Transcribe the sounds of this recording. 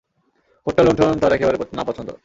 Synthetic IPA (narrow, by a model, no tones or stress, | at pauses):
hoʈːalonʈʰoont̪aɾɛkebaɾenapɔt͡ɕʰont̪o̰